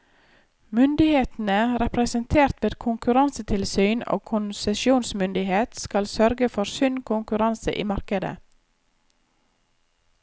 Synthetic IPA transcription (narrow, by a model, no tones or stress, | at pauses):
mʏnd̪ɪheːt̪n̩əɾɛpɾəsənt̪ʰeːɾt̪ʋeːd̪kʰʊŋkʉɾɑnsət̪ʰɪlsyːno̰ːkʰʊnsɛʃjuːnsmʏnd̪ɪheːt̪skɑlsœɾɡəfɔɾsʉnkʰʊŋkʉɾɑnsə̰ʔḭːmɑɾkəd̪ə̰